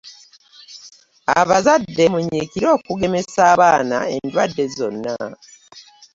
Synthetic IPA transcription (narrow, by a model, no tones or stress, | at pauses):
a̰βazadːe̞muɲiːkiɾo̞ːkuɡe̞mesaːβaːna̰e̞ndwadːe̞zo̞nːa